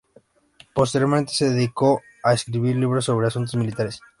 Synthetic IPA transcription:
po̞s̬t̪eɾjoɾment̪e̞se̞ðeðiko̞ | aeskɾiβiɾliβɾos̬ːo̞β̞ɾe̞asunt̪̬o̞zmilit̪aɾe̞s

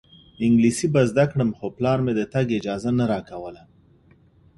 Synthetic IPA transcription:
ɪŋɡlisibazd̪akɽəmxoplɑɾmed̪ət̪aɡɪd͡ʒɑzanaɾɑkawəla

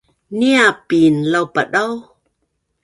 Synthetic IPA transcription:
niapinlawpaɗaw

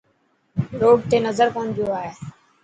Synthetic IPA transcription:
ɾoːɖ̚t̪eːnəzəɾpə̃ɦʊ̃nd͡ʒ̪joaːɦeː

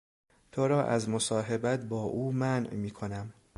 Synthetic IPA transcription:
t̪ʰoɾɒːʔæzmosɒːɦe̞bæt̪̚bɒːʔuːmænʔmiːkʰo̞næm

